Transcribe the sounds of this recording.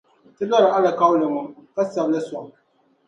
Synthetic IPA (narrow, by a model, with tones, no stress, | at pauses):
tɨ˦la˦ɾa˨ʔa˦la˨ka˦wlɪ˨ŋʊ˦ka˦sa˨bla˦sɔ˨